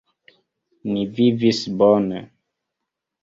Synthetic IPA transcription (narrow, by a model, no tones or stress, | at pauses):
nivivisbɔne